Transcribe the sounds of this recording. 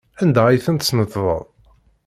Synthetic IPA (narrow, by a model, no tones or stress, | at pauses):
ænd̪æijθənt̪snət̪ːðˤə̰ðˤ